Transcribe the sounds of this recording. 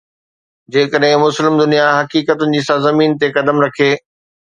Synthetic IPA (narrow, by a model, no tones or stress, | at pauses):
d͡ʑeːkəɗɦɪ̃mʊslɪmd̪ʊnijaɦɐkiːkət̪ʊnɪ̆d͡ʑiːsãːzɐmiːnt̪ekɐd̪əmɾɐkʰeː